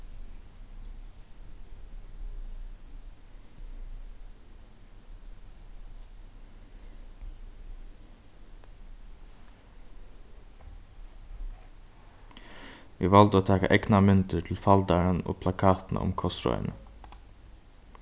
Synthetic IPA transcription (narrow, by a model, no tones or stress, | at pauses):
ʋɪʋalt̪əoːt̪ʰɑːkaʔɛknamʏnt̪əʈʰɪlfald̪aɹəno̰ːpʰlakʰɑːt̪nʔa̰ʔʊ̰mkʰɔsɾɔ̰ʏə̰nə